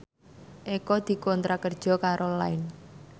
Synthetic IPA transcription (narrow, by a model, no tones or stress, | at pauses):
ʔekɔd̪̥i̤kɔnt̪ɾakərd̥ʒ̥ɔ̤kaɾʔolaɪn